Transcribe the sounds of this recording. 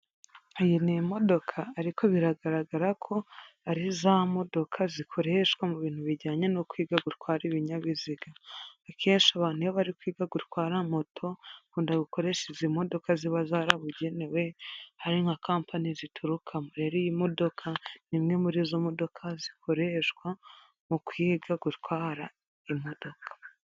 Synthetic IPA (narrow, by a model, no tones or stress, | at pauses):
ejinimo̞do̞kʰaːɾiko̞βiɾaɡaɾaɡaɾakʰo̞aɾizamo̞do̞kʰazikʰo̞ɾeʃwamuβiːn̥huβiɾɟaːɲe̞nokwiːɡaɡutkwaːɾiβiɲaβiziɡaːkʰe̞ːnʃiaβaːn̥hujoβaɾikwiːɡaɡutkwaːɾamo̞tʰo̞kuːndaɡuko̞ɾe̞ʃezimo̞do̞kaziβazaːɾaβuɟe̞ne̞we̞haɾiŋakaːmpʰanizitʰuɾukʰamoɾe̞ɾojimo̞do̞kʰanimŋe̞muɾizomo̞do̞kʰazikʰo̞ɾeʃkwa | mukwiːɡaɡutkwaːɾa | imo̞do̞kʰḁ